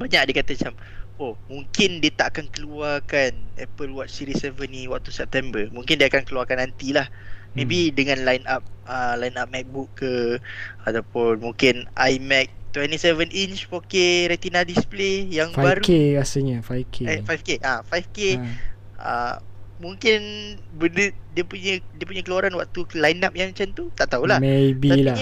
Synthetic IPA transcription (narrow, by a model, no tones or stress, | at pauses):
baɲak̚diəkat̪at͡ʃamomũŋkɪndiət̪aʔakankəluakanɛ̰pəlwat͡ʃsiɾisɛvəniwak̚t̪usɛp̚t̪ɛmbəmuŋkɪndiakankəluakanːant̪ilahmẽbidəŋãnlajnap̚əlajinap̚mɛk̚bukːə | at̪apʊnmuŋkɪnʔajmɛk̚t̪wɛnt̪isɛvənint͡ʃpokeɾɛt̪inadisplejaŋfabaaɾukeasəɲəfajkʰefajfkeʔafajfke | ə̰mũŋkɪnbəndədiəpuɲədiəpuɲəkəluaɾanwak̚t̪ulajnap̚jaŋmat͡ʃamt̪ut̪aʔt̪aulahmebitala